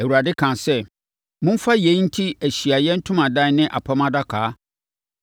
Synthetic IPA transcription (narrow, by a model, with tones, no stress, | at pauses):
æ˨wu˨ɾa˨dɪ˦kʰã˨sɛ˦ | mʊ̃˦m̩˦fa˦je˨˦n̩˦tʰi˦æ˨ɕi˨a˨jɛ˦n̩˦tʰʊ̃˦mã˨dã˦˨˦nɪ̃˦ʔa̰˨pʰa˦mã˦da˦kʰaː˨˦